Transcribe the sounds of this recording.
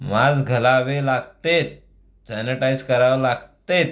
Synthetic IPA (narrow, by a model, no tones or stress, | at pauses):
mad͡zɡʱəlaʋelaɡt̪et̪̚ | saneʈajd͡zkəɾaʋlaɡt̪et̪